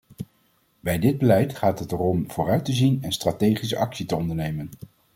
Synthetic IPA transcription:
bɛjdɪd̚bəlɛjtχaːtɦətɛrɔmv̥ʊːrœɥtəzinɛnstraːtejχisəʔɑksitəɔndəɹnejmən

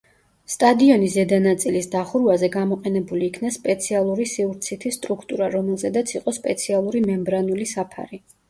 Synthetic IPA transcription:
st̪ʼad̪iɔnizɛd̪anat̪sʼilisd̪aχuɾvazɛɡamɔqʼɛnɛbuliːkʰnaspʼɛt̪sʰialˠuɾisiuɾt̪sʰit̪ʰist̪ʼɾukʰt̪ʼuɾaɾɔmɛlˠzɛd̪at̪sʰiqʼɔspʼɛt̪sʰialˠuɾimɛmbɾanulisapʰa̰ɾi

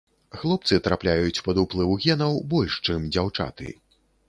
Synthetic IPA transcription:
xlˠɔp̚t̪sɨt̪ɾaplʲajut͡sʲpɐd̪uplˠɨvuɣʲɛnɐwbɔlʲʂt͡ʂɨmd͡zʲawt͡ʂa̰t̪ɨ̰

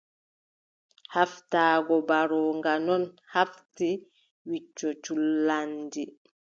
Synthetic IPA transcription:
haftaːɡɔbaɾɔŋɡanɔn | hafti | wit͡ʃːɔt͡ʃulandi

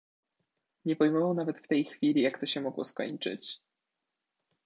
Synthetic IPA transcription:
ɲɛpɔjmɔvawnavɛt̪ft̪ɛjxfʲilʲijakt̪ɔɕɛmɔɡwɔ̰skɔ̰ɲt͡ʂɘ̰t͡ɕ

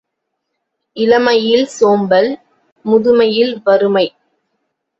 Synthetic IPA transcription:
ɪlɐmɐjɪlsoːmbɐl | mʊðɯmɐjɪlʋɐɾɯmɐɪ

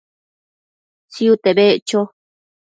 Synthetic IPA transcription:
siut̪eβet͡ʃo

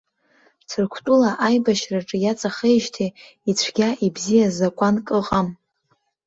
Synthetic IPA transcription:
t͡sʰɨrkʷʰtʼulaʔajbaʃraʈ͡ʂʼɨjat͡sʼaχejʒtʰe | it͡ɕʷʰɡ̥ʲaʔibzijazakʷʼankʼɨqʼam

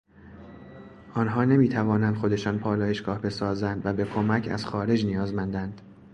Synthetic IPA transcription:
ʔɒːnɦɒːne̞miːt̪ʰævɒːnænd̪̥xo̞d̪e̞ʃɒːnpʰɒːlɒːjeʃɡ̥ɒːhbe̞sɒːzænd̪væbe̞kʰomæcʰæ̰z̥xɒːɾe̞d͡ʒnijɒːzmænd̪ænd̪̥

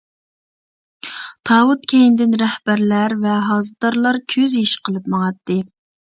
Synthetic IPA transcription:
t̪ʰɑːwut̪̚kʲʰejind̪ɪnɾɛhb̥æɾlæɾvɛɦɑːzɨd̪ɑɾlˠɑɾkʲʰøzjiʃqʰəlˠɨpmɑŋɑt̪ːɨ

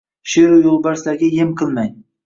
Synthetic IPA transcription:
ʃeɾujolˠbaɾslaɡʲajemqʰɨlˠmaj

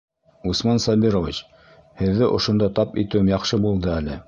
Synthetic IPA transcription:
usmɑnsɑbiɾovʲit͡ɕ | hɘ̆ðːɘʔŏʃŏnd̪ɑt̪ɑpit̪ɘ̆wɘmjɑχʃɤbulˠd̪ɤælɘ

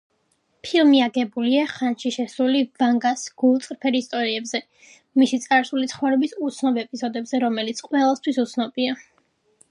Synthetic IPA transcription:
pʰilˠmiaɡɛbuliaχanʃiʃɛsɾulivaŋɡasɡ̥ulˠt̪sʼɾpʰɛɾist̪ʼɔɾiɛbzɛ | misit̪sʼaɾsulit̪sʰχwaɾɛbisut̪sʰnɔbɛpʼizɔd̪ɛbzɛɾɔmɛlit̪sʰqʼwɛlˠast̪ʰwisut̪sʰnɔbia

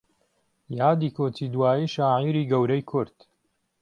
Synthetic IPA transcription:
jaːd̪iːkʰoːtid̪waːjiːʃaːʕiɾiːɡɐwɾɐjkʰʊɾd̪̥

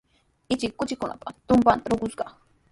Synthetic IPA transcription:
ɪt͡ʃɪkːʊt͡ʃɪkʊna̰pḁt̪ʊmpanɾoɡʊsɢɑ

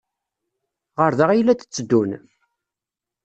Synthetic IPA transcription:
ʁəɾðəʁijlːæt̪ə̥t͡sːəd̪ːun

